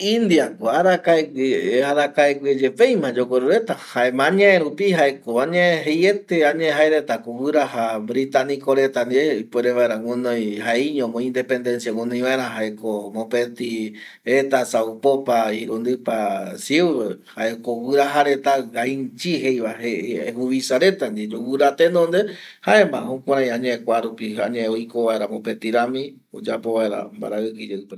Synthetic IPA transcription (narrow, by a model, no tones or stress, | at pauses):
ĩnd̪iakoaɾakaekaɾakaekʷied͡ʒepejmãd͡ʒokʷeɾuɾe̞t̪ahaemãɲãeɾupiɦaekoaɲẽɦejet̪eaɲẽɦaeɾet̪akowɨɾaɦabɾit̪anĩkoɾe̞t̪and̪iɾeipeɾeβaeɾãwũnõjhaeiɲõmõĩnd̪e̞pe̞nd̪e̞nsjawũnõj̃ʋaeɾãɦaekomõpet̪i | et̪asaupopaiɾund̪ɨpasiuβehaekowɨɾaɦaɾe̞t̪aɡait͡ʃiɦejβaheehuβisaɾe̞t̪and̪id͡ʒowɨɾat̪enõnd̪e̞haemã̰hokʷaɾ̃ãj̃ãɲeekʷaɾupiaɲeojkoʋae̞ɾamõpet̪iɾamĩ | o̰d͡ʒapo̞βaeɾa̰mba̰ɾaɨkɨd͡ʒeɨpe